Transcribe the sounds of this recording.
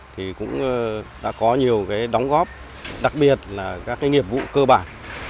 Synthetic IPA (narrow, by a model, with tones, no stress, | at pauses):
t̪ʰi˨˩kʊ̰˧˥ŋ͡mɗa̰ː˧˥kɔ˨˦ɲi˨˩əwkaː˨˦jɗɔ˨˦wŋ͡mɣɔ˦˥p̚ | ɗa˨˩k̚ɓi˨˩ət̚laː˨˩kaː˦˥kːaː˨˦jŋi˨˩əp̚vṵ˧˨kəː˧ɓaː˧˩n